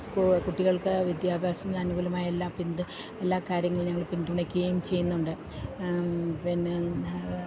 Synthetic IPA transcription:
skukuʈːiɣɐɭkɨʋjid̪jaːbʱaːsɐminɐnuɣulɐmaːjelːaːpind̪ɨ | e̞lːaːkaːɾjɐŋːɐɭɲɐŋːɐɭpind̪uɳɐkʲːuɣɐjumt͡ɕe̞jːunːuɳɖɨ | pinːe

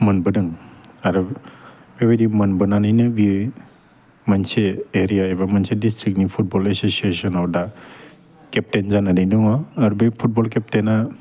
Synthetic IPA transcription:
mənbɯdɯŋaɾɔ | bebedimənbɯnanajnɯbi | manseeɾijaebamansedistɾik̚nipʰut̚bɔlesosiesɔnɔwda | kɛp̚tenzanadidɔŋaːɾbepʰut̚bɔlkɛp̚tena

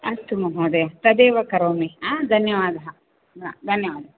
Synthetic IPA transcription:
ɐst̪ʰumɐɦoːd̪ɐjɐt̪ɐd̪eːʋɐkɐɾoːmiaːd̪ʱɐnjɐʋaːd̪ɐɦɐ | a̰d̪ʱɐnjɐʋaːd̪ɐɐ

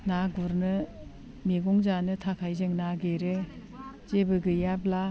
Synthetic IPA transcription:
naɡuɾnɯ | miɡɔŋzanɯtʰakʰajzɯŋnaɡeɾe | zebɯɡɯjabla

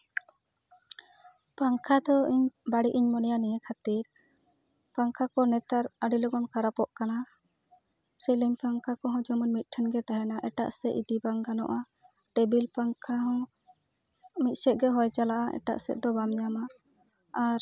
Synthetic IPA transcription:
paŋkʰad̪ɔiɲbaɽiʔiɲmɔnɛjanɛjɛkʰat̪iɾ | paŋkʰakɔnɛt̪aɾaɖilɔɡɔnkaɾapɔʔkana | sɛliɲpaŋkʰakɔɦɔ̃d͡ʒɔmɔnmit̪̚ˀʈʰɛnɡɛt̪aɦɛnaʔɛʈa̰ʔsɛʔid̪ibaŋɡanɔ̰ʔa | ʈɛbilpaŋkʰaɦɔ̃ | mit̪̚ˀsɛt̪̚ˀɡɛɦɔjt͡ʃalaʔaʔɛ̰ʈa̰ʔsɛ̰t̪̚d̪ɔbamɲamaː | ɾ

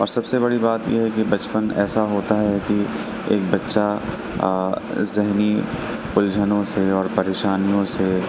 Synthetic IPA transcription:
ɔːɾsɐbsebɐɽibaːt̪jḛɦɛkibɐt͡ʃpənɛːsaɦoːt̪aɦɛki | eːk̚bɐtːʃa | zɪɦni | pʊld͡ʒʱənõseɔːɾpɐɾeːʃaːnijõse

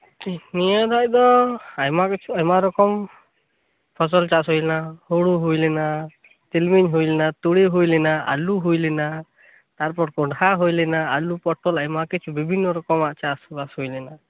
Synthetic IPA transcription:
tinijad̪ac̚d̪ɔajmakɛt͡ʃʰuajmaɾɔkɔm | pʰɔs̬ɔlt͡ʃasɦujlɛnahoɽuɦujlɛna | t̪ilmiɲɦujlɛnat̪uɽiɦujlɛnaa̰luɦujlɛna | t̪aɾpɔɾkɔɖaɦujlɛnaalupɔʈɔlajmakit͡ʃʰubibʱinːɔɾɔkɔmaʔt͡ʃasbashujlɛna

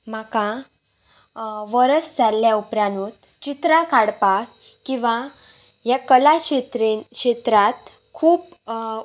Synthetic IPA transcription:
m̤akã | ʋəɾəsd͡zʱalːjaupɾanut̪ | t͡ɕit̪ɾãkaɽpa | kĩʋã | ɦjakəlaɕet̪ɾɕet̪ɾat̪ | kʰuːp

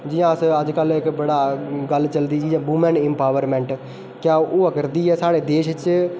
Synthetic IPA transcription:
d͡ʒɪjãːəsəd͡ʒkəlɪkbəɽaːɡəlt͡ʃəld̪iːd͡ʒĩːbumɛ̃nɪ̃mpaːʋəɾmɛ̃ːɳʈ | kjãːoːəkəɾd̪iːɦɛːsaːɽeːd̪eːʃt͡ʃ

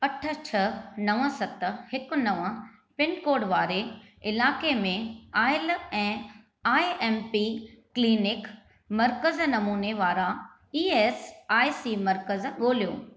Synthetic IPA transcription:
ɐʈʰə̆t͡ɕʰɐnɐʋə̃sɐt̪hɪkʊ̆nɐʋə̃ | pɪnkoːɖʋaːɾeɪlaːkemẽaːɪlɛ̃ː | aːiɛːmpikliːnɪk | mɐɾkəznɐmuːneʋaːɾa | iːeːsaːisimɐɾkəzɠoːl̤ijo̰ː

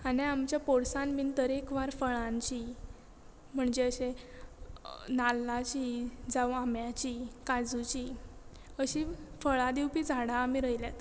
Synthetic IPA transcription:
aniamt͡ɕjapoɽsãnmiːnt̪əɾekʋaɾfəɭãɲt͡ɕi | m̤əɳd͡ʑeəɕe | nalːat͡ɕiːd͡zawamjat͡ɕikad͡zut͡ɕi | əɕifəɭad̪iwpiːd͡zʱaɽãːmiɾəjljat̪

